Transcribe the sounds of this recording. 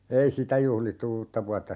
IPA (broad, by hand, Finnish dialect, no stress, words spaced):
ei sitæ juhlitːu uːtːɑ ʋuɑtːɑ